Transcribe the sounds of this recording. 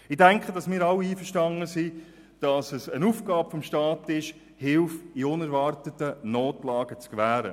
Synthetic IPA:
ɪdæŋkχədɑsmɪːɾɑwiiːfəʃtɑnəsi | d̥ɑsəsənuːfɡɑːpfɔmʃtɑːtɪʃ | hɪlfiʊnæɾvɑrtətːənoːtlɑːɡ̥ət͡skʋæːɾə̰

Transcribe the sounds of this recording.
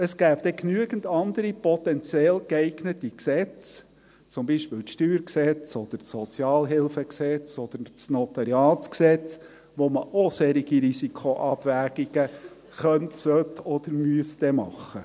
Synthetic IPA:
əsɡ̥æːbd̥̪ɛknyəɡən̩dɑnd̪əɾipɔt̪ɛnt͡sjɛlkɛɪɡnətiksɛt͡s | t͡sʊmbiʃpɪːlʃtyːɾksɛt͡sɔd̥̪əɾsɔt͡sjɑːlɦɪlfəksɛt͡sɔd̪̥əɾt͡snɔtɑɾijɑːt͡sksɛt͡s | ʋoməʔosɛɾiɡiɾisikʰoʔɑb̥væːɡ̥iɡ̥ə | χœntsœtɔd̪̥əɾmyəsd̪ɛmɑ̰χːə

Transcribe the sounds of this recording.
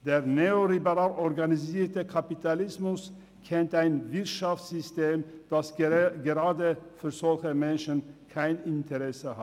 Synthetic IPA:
d̥eːʁneːolibəʁaːlʔɔʁɡaniziːtəkʰapitʰalɪsmʊs | kʰɛntaɪnvɪʁtʃaftsz̥ʏstʰeːmd̥asɡəʁaːdəfyːɐzɔlçəmɛnʃənkʰaɪnɪntʰəʁɛsəha

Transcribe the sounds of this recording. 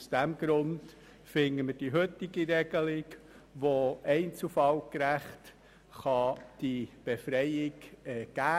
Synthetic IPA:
usd̥ɛmɡɾʊnd̥ | fɪnəməd̥iɦɵt̪ɪɡiɾɛɡəlɪɡ | ʋoɛɪnt͡sufɑlkɾæχt | χɑd̥ib̥efɾɛɪɪɡɛɡ̥æː

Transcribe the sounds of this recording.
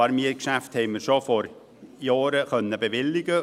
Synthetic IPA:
ɑɾmiəkʃæfthɛɪməɾʃofɔɾ | jɑːɾəkœnːəbeʋɪlːɪɡə

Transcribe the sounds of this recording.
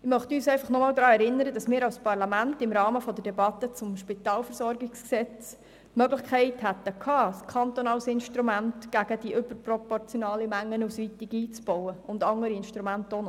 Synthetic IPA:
ɪmœχtəyːsɛɪfɑχnɔmɑːld̪ɾɑːɛɾɪnːəɾədɑsmɪːɾɑwspɑrlɑmæntɪmɾɑːməfɔdədɛbɑt̪ːət͡sʊmʃpɪt̪ɑːlfəɾsɔɾɡɪksksɛt͡s | tmœɡləχkχɛɪthæt̪ːəkʰɑːskʰɑnt̪onɑlsɪnʃtɾumæntɡ̥æɡ̥ədiʔʏbəɾprɔpɔrt͡sjɔnɑːləmæŋːənusʋitɪɡiːt͡sb̥ɔwəʊndɑŋəɾiɪnʃtɾumænt̪on

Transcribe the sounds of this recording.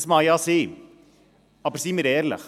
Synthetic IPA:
smɑːjɑːseː | ɑbəɾsiməɾɛːɾlə̰χ

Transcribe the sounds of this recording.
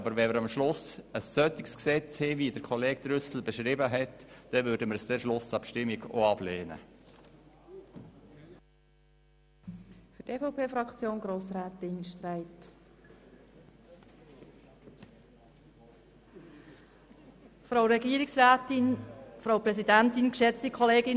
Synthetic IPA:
ɑbəɾvɛməɾɑmʃlʊsəsːœtɪksksɛt͡shɪvidəɾkʰɔleːk̚d̪̥ɾʏsl̩beʃɾɪbəɦɛtd̥ɛvøːɾdəməɾsd̥ɛɾʃlʊsɑpʃtɪmiɡo̰ɑb̥leːnə̰ | fɵteːfoʊpʰeːfɾɑkt͡sjoːnɡɾoːsræːtɪnʃtræɪt | fɾoʊɾɛɡiːəɾɪksaːtɪnfɾaʊpɾɛsidæntɪnkʃɛt͡stikʰχoleːɡɪn

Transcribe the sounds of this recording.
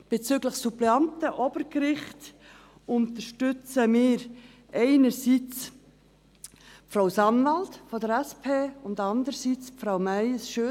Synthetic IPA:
b̥et͡syɡləχsupleɑntəʔɔb̥əɾkɾɪχt | ʊntəʃtʏt͡səmɪːɾ | ʔɛɪnəɾsit͡s | fɾawsɑnvɑltfɔdəɾɛspʰeːʊndɑnd̪əɾsiːt͡spfɾawmæɪsʃø

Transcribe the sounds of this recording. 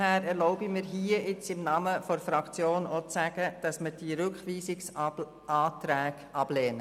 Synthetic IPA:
hæːɾɛɾlɔʊbimɪːɾɦiːəɪt͡sɪmnɑməfɔɾfɾɑkt͡sjoːnot͡sæɡ̥əd̥ɑsməd̥iɾʏkχʋiːsɪks | ɑːtɾæːɡ̥ɑb̥lɛːnə

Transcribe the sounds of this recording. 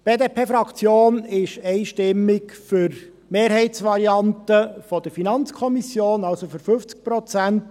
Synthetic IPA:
b̥eːdeːpʰeːfɾɑkt͡sjoːnɪʃɛɪʃtɪmːɪkfʏɾ | meːɾhɛɪtsʋɑɾiɑntəfɔd̥əɾfinɑnt͡skʰɔmisjoːnɑlsofʏɾfɵft͡sk̚pɾɔt͡sænt

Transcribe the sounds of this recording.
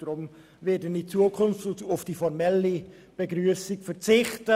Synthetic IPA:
ʁʊm | vɪdəndit͡suːəkʰʊnftntafd̥iːfɔʁmɛli | b̥əɡʁyːəsɪkfɛʁt͡sɪxtə

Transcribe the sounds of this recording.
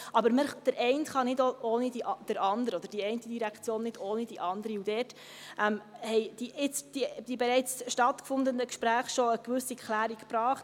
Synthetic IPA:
ʔɑbəɾməd̥əɾʔɛɪntχɑnɪdooːnidiʔɑd̥əɾɑnd̪əɾəɔd̥əɾd̥iɛɪntədiɾækt͡sjoːnːɪdoːnidiʔɑnd̪əɾiudɛːɾt | ʔɛmhɛɪd̥iʔɪt͡sd̥id̥ibɛɾɛɪt͡sʃtɑtkfʊndənəkʃpɾæːχʃoəkʋʉsːiɛkʰlæːɾikpɾɑːχt

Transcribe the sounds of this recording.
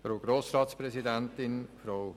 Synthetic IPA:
fɾoɡ̥ɾoːsɾɑːtspɾɛszidɛntɪnfɾow

